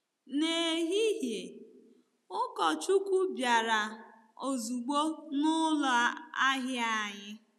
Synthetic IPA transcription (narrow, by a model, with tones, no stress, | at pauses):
ne˨ɦi˦ɦje˨ | ʊ˦kɔ˨t͡ʃu˦kʷu˦bja˨ɾa˨ | o˨zu˨ɡ͡bo˦nʊ˦lɔ˨a˦a˦ɦa˨ɲɪ˦